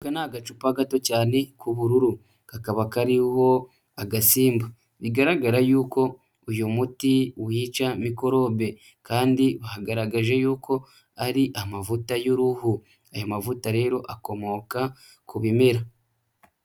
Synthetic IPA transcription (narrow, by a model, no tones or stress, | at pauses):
ɡanaːɡat͡ʃupaɡato̞caːne̞kʰuβuɾuɾu | kakaβakaɾiho̞ | aɡasiːmba | βiɡaɾaɡaɾajuːko̞ | ojomutiwiːt͡ʃamiko̞ɾo̞ːβe̞ | kaːndiβahaɡaɾaɡaʒe̞juːkʰo̞ | aɾiʔamavutajoɾuhu | ajamavutaɾe̞ːɾo̞ʔako̞mo̞ːka | kuβime̞ɾa